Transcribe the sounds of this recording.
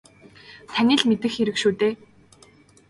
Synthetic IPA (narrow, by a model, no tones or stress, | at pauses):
t̪ʰænʲɪ̆ɮmet̪ɘ̆xeɾɘ̆kʃuːt̪eː